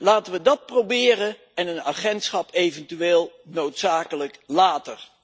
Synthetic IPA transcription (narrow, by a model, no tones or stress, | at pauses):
laːtəʋədɑt̚prowbɪːrə | ɛnəna̰ːχɛntsχɑpejvɛntyʋeːlˠnowtsaːkələklaːtər